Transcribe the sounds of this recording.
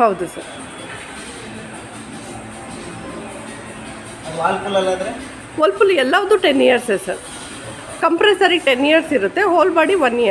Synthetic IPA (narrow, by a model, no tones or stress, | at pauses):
ɦɐwd̪usɐɾ | ʋaːlpulɐlaːd̪ɾe | ʋɐlpulɛlːaːʋɐd̪uʈenːijɐɾsesɐɾ | kɐmpɾeːsɐɾiʈenːijɐɾsiɾut̪ːe̞ɦoːlbaːɽiʋɐnːijɐ